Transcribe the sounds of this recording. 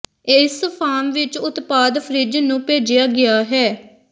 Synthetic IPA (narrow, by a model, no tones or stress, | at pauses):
ɪspʰaːmʋɪt͡ʃʊt̪paːd̪fʰəɾid͡ʒnũːpeːd͡ʒɪjaːɡɪjaːɦɛː